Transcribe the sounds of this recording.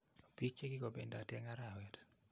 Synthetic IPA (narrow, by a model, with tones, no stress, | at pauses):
o˨pi˦k̚t͡ʃe˦ɡi˦ko˨be˨nda˨tɛ˦ŋaɾawɛt